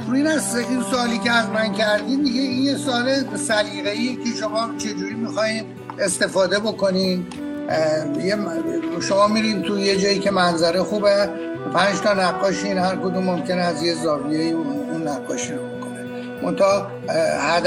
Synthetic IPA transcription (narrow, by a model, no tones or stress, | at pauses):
iːnæzinsoɒːliːceæzmæncʰæɾd̪iːmd̪iɡeinjesoɒːlesæliːɣeiːjecʰe̞ʃomɒːt͡ʃʰe̞d͡ʒuːɾimixɒːhiːn | e̞st̪e̞fɒːd̪e̞bo̞ko̞nin | jeʃo̞mɒːmiɾint̪ʰuje̞d͡ʒɒːjiːcʰe̞mænzæɾexuːbe | pʰænd͡ʒt̪ʰɒnæɡːɒːʃinhæɾkod̪umːomcʲe̞nɛæzjezɒːbiejiunːæɡːɒːʃiɾobokʰone | mʔo̞̰nt̪ʰɒ | hæd̪